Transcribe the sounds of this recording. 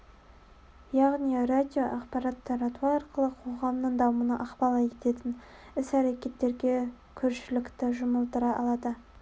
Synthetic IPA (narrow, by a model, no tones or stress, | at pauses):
jɑʁnirad̪ʲijo̞ʔɑqpɑɾɑt̪ːɑɾɑt̪uɑɑɾqəlˠəqʰo̞ʁɑmnəɴd̪ɑmunəʔɑqpɑlˠɑjet̪e̞t̪ɪn | ɪsæɾe̞kʲe̞t̪ːe̞ɾɡʲe̞ | kʲʰɵɾʃɪlɪkt̪ɪʒʊməlˠt̪əɾɑʔɑ̰lˠɑd̪ə